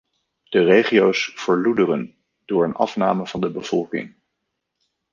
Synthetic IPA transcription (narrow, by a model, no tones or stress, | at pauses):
d̥ərejχiowsv̥əɹludərən | d̥ʊːɹənɑ̰fnaːməv̥ɑndəbəv̥ɔlˠkɪ̰ŋ